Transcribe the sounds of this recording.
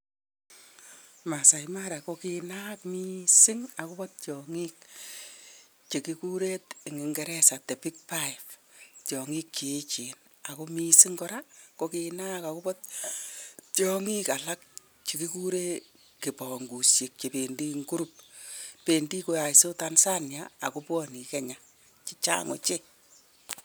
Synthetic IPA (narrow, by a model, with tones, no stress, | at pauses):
ma˨sa˨ima˦ɾa˨ko˦kina˦kmi˦sɪ˦ŋa˨ku˦pɔ˦t̚t͡ʃɔŋi˦k̚ | t͡ʃe˨ki˦ku˦ɾe˦tɪ˨ŋɪ˨ŋɡɛ˦ɾɛ˦sa˨te˨pi˦k̚pa˦jftjɔ˨ŋi˦k̚t͡ʃi˨˦t͡ʃi˨n | a˨ko˦mi˦sɪ˦ŋkɔ˦ɾa˦ko˦ki˨na˦ka˨ku˦bɔ˦t̚ | tjɔ˦ŋi˦ka˨la˦k̚ | t͡ʃe˨ki˦ku˦ɾe˦ | kɪ˨pɔ˨ŋɡu˨sje˨k̚t͡ʃe˨pe˨ndi˦ŋɡu˦ɾup̚pe˨ndi˦ko˦ja˨so˦ta˦nsa˦njaa̰˨ko˦pwɔ˦ni˨kɛ˦ɲa˨ | t͡ʃɪ˦t͡ʃa̰˦ŋo̰˨t͡ʃe˦